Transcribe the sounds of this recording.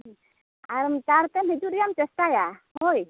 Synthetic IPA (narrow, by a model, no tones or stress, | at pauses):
aɾmt͡ʃaɾt̪ɛmɦid͡ʒuɾijamt͡ʃəst̪ajahoj